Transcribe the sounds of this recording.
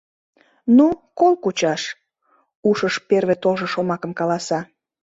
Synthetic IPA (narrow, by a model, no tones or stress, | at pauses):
nukolkut͡ɕɑʃ | uʃəʃperβet̪olʒə̆ʃomɑkəmkɑlɑsɑ